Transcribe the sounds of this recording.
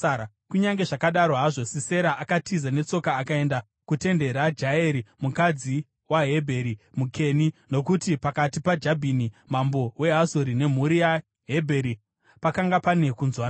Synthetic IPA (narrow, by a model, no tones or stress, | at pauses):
a | kuɲaŋɡe̞ʐakaɗaɾoɦaʐo̞sise̞ɾaʔakatizane̞t͡so̞kaːkae̞nda | kute̞nde̞ɾad͡ʒaeɾimukad͡zi | waɦe̞bʱe̞ɾimukʰe̞nino̞kutipakatipad͡ʒabʱinimambo̞we̞ɦasoɾine̞m̤uɾija | ɦebʱe̞ɾi | pakaŋɡapane̞kunzwan